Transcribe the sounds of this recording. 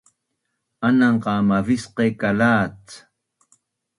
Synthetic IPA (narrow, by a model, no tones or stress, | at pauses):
anaɴɢɑːmavisqekalaːt͡s